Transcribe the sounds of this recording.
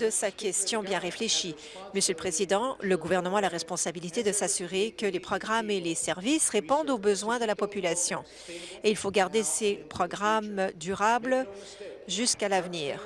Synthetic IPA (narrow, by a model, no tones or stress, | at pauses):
d̪əsakʲɛst̪jɔ̃bjɛ̃ʁefleʃi | məsjøləpχezid̪ɑ̃ləɡuvɛʁnəmɑ̃alaʁɛspɔ̃sabilit̪ed̪əsasyʁekəlepχɔɡʁamelesɛʁvisʁepɔ̃d̪obəzwɛ̃d̪əlapɔpylasjɔ̰̃ | eilfoɡaʁd̪esepχɔɡʁamd̪yʁabl | ʒyskalavniːʁ